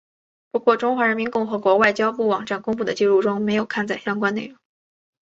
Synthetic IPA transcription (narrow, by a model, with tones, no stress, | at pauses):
pu˧˥kwɔ˥˩ʈ͡ʂʊ˥ŋxwa˧˥ɻə˧˥nmi˧˥nkʊ˥˩ŋxɤ˧˥kwɔ˧˥wa˥˩ɪt͡ɕjɑ˥ʊpu˥˩wɑ˨˩ŋʈ͡ʂa˥˩nkʊ˥ŋpu˥˩d̪ə˩t͡ɕi˥˧ɻu˥˩ʈ͡ʂʊ˥ŋme˧˥ɪjo˨˩ʊkʰa˥˧nt͡sa˥˩ɪɕjɑ˥ŋkwa˥nne˥˩ɪɻʊ˧˥